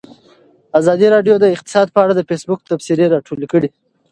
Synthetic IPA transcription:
azɑd̪iɾɑɖjod̪əɪq̚t̪ɪ̥sɑd̪̚pəaɽad̪əfesbʊk̚t̪absiɾeɾɑʈʰolkəɽi

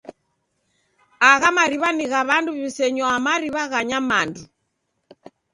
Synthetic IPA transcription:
aɣamaɾiβaniɣaβanduβisɛɲɔamaɾiβaɣaɲamandu

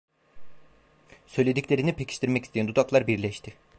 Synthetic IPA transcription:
sø̞jlʲe̞d̪iclʲe̞ɾinipʰecʰi̥ʃt̪ʰiɾmɛcist̪ʰeænd̪ud̪aklˠaɾbiɾlʲɛʃt̪ʰɪ

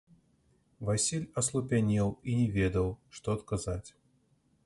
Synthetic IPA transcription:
vasʲilʲɐslˠʊpʲanʲɛlˠinʲɪvʲed̪əlˠʂt̪ɔɐt̪kazatʲ

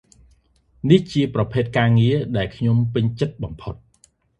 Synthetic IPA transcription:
niht͡ɕiəprɑpʰeːt̪̚kaːŋiəɗaɛlkʰɲompɨɲt͡ɕət̪̚ɓɑmpʰot̪̚

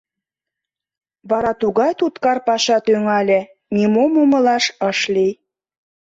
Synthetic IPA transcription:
βɑɾɑt̪uɣɑjt̪ut̪kɑrpɑʃɑt̪yŋɑlʲĕ | nimomomɤ̆lɑʃɤ̆ʃlij

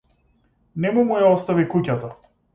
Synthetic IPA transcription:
nɛmumujaɔst̪avikucat̪a

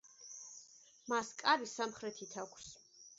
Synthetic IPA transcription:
maskʼaɾisamχɾɛt̪ʰit̪ʰakʷʰs

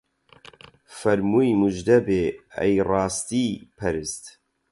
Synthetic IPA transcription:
fɐɾmujmuʒd̪ɐbeːɐ̰jrɑːst̪iːpʰɐɾɨst̪

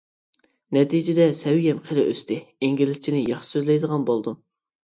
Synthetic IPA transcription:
nɛt̪ʰid͡ʒɪd̪ɛsɛwɡʲɛmqʰelɪʔøst̪ɪeŋɡʲilɪzt͡ʃʰinɪjɑχʃɪ̥søzlɛjd̪əʁɑnbolˠd̪u

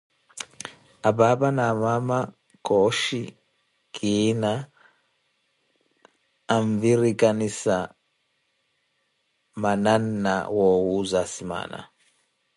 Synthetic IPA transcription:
ababanamama | kɔʃḭ | kʰina | ɱviɾikanisa | mananːa̰wɔwuzasima̰na̰

